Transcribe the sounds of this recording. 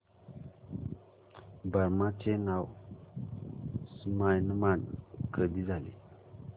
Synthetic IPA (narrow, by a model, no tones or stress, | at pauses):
bəɾmat͡ɕenaw | smajnmankʰəd̪id͡zalḛ